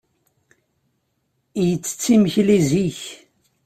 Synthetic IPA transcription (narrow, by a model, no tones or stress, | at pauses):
jət͡sːə̥t͡sːiməçliziç